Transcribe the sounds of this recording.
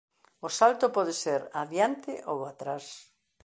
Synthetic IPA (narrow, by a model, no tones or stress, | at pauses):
ʊsalt̪ʊpɔðɪseɾaðjant̪ɪʔowat̪ɾas